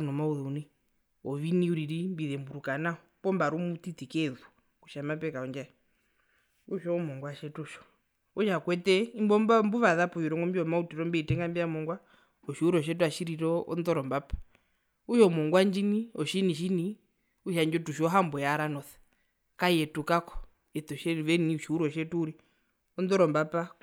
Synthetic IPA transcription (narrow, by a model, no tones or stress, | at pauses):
nɔmauðɔuni | ɔʋiniuɾiɾimbiðɛmbuɾukanaɔpɔmbaɾumut̪itikɛðu | kuʃamapɛkaɔɲd͡ʒaɔ | uʃɔmɔŋɡwaʃɛtuʃɔ̥ | uʃakwɛtɛimbɔmbambuʋaðapɔjiɾɔŋɡɔmbiɔmautiɾɔmbɛitɛŋɡambijamɔŋɡwa | ɔʃiuɾɔʃ̬ɛt̬uaʃiɾiɾɔɔ̰nd̪ɔɾɔmbapḁ | uʃɔmɔŋɡwand͡ʒiniɔʃiniʃini | uʃand͡ʒɔtuʃɔɔɦambɔjaɾanɔθɛ̥ | kaiɛtukakɔ̥ | ɛt̪ɔʃɛʋɛniuʃiuɾɔʃɛtuːɾi | ɔnd̪ɔɾɔmbapa